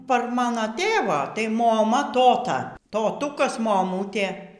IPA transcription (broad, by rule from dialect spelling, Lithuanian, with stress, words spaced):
pɐr ˈmɑːnoː ˈtʲeːʋoː tɐɪ moːˈmɐ ˈtoːtɐ toːˈtuːkɐs moːˈmuːtʲeː